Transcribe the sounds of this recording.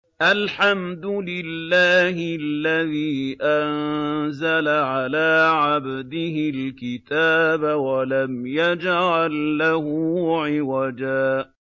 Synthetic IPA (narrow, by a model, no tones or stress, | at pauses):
ʔalħamd̪ʊlɪlːaːɦɪlːaðiːʔanzalaʕalaːʕabd̪ɪɦɪlkɪt̪aːbawalamjad͡ʒʕalːahʊʕɪwad͡ʒaː